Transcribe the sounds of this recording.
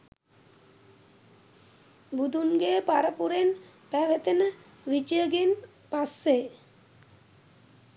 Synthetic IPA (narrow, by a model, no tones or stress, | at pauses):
bud̪ʱunɡeːpaɾəpuɾen | pæʋet̪enə | ʋit͡ʃiəɡen | pasːe